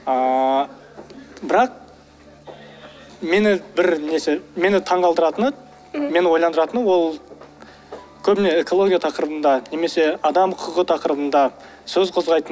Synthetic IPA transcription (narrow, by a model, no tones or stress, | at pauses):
ə | bɪɾɑq̚ | me̞nɪbɪɾne̞seme̞nɪt̪ʰɑɴʁɑlˠd̪əɾɑt̪ənə | me̞nɪwo̞jlˠɑnd̪əɾɑt̪ənwo̞lˠ | kʲʰɵbɪne̞eko̞lˠo̞ɡʲijat̪ʰɑqəɾəbənd̪ɑne̞me̞se̞ɑd̪ɑmʰʊqʰəʁət̪ʰɑqəɾəbənd̪ɑ | sɵzqʰʊzʁɑjt̪ə